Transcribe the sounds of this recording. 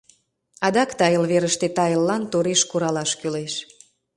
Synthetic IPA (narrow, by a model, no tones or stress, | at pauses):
ɑd̪ɑkt̪ɑjəlβeɾəʃt̪et̪ɑjəlːɑnt̪oɾeʃkuɾɑlɑʃkyleʃ